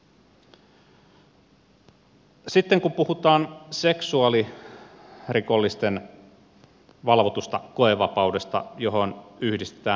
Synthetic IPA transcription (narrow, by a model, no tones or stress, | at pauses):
sit̪ːeŋkumpuhut̪ɑːnse̞ksuɑli | riko̞lːist̪en | ʋɑlʋot̪ust̪ɑko̞eʋɑpɑude̞st̪ɑ̰jo̞ɦo̞nyhdist̪e̥t̪æː